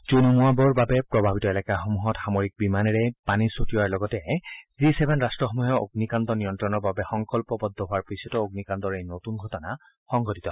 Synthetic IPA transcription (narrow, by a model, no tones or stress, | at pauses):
zunumuabɔɹbabɛpɹɔbʱabitɔɛlɛkaxomuɦɔtxamoɹik̚bimanɛɹɛpanisotijɔaɹlɔɡɔtɛzisɛbʱɛnɹastɹɔxɔmuɦɛo̰ɡnikandɔnijɔntɹɔnɔɹbabɛxɔŋkɔlpɔbɔd̪ʱːɔɦʊaɹpɹisɔtɔoɡnikandɔɹejnotunɡʱɔtɔna | xɔŋɡʱɔtitɔ